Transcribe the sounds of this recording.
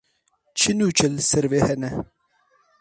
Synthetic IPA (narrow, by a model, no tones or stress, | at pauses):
t͡ʃʰɨnuːt͡ʃʰəlsɨɾveːhɛnɛ